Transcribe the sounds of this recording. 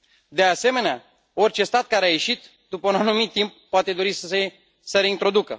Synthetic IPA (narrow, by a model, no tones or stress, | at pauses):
d̪e̞ase̞me̞nea | o̞rʲt͡ʃe̞st̪at̪̚kaɾeaje̞ʃit̪ | d̪upəunanumit̪ːimp̚ːoat̪e̞d̪o̞ɾise | səɾeint̪ɾo̞d̪ukə̰